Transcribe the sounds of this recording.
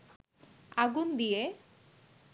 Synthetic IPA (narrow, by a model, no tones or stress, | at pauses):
aɡund̪ije